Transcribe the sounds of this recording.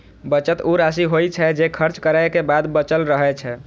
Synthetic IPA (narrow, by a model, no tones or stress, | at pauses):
bət͡ʃət̪uɾas̬iɦojt͡ʃʰɛd͡ʒekʰəɾt͡ʃkəɾəjkebad̪bət͡ʃəlɾəɦɛt͡ʃʰɛ